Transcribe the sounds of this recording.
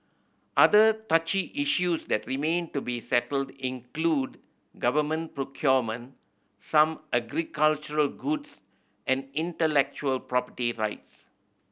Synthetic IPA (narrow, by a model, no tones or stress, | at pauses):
ʔadətat͡ʃiʔiʃusd̪ɛtɹimẽntubisɛtəldĩnklud | ɡavəmə̃npɹokʰjɔmə̃n | sãmʔɛɡɾikalt͡ʃuɹəlɡuds | ʔɛ̃nĩntəlɛk̚t͡ʃuəlpɹɔpəʈiɹa̰ɪts